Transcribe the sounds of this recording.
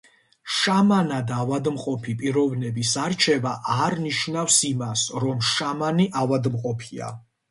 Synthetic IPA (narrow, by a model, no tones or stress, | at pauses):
ʃamanad̪avad̪mqʼɔpʰipʼiɾɔvnɛbisaɾt͡ʃʰɛvaʔaɾniʃnafsimasɾɔmʃamaniʔavad̪mqʼɔpʰia̰